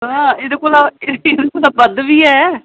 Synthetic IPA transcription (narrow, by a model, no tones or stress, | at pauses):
ɦãːed̪ekoːlaeɪd̪ekoːd̪aːbəd̪ʋiːɛː